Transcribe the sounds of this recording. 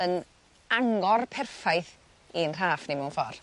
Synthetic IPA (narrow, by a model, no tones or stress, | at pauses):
ən | aŋɔrpʰɛrfajθ | inr̥aːfnemuwnfɔr